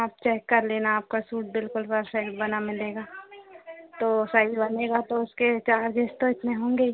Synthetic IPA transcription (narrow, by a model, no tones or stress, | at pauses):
aːp̚t͡ʃɛːkːɐɾleːnaaːp̚kasuːʈ̚bɪlkʊlpəɾsɛkʈbɐnamɪleːɡaː | t̪oːsaibɐneːɡat̪oʊsket͡ʃaːɾd͡ʒeːst̪oɪt̪neɦõːŋɡe